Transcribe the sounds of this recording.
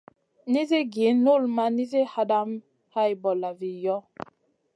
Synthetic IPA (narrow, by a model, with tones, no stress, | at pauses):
ni˦zi˦ɡi˨˦nu˦˨lma˦ni˦zi˦ha˦da˦m | ha˦jbɔ˨la˨vi˨jɔ˦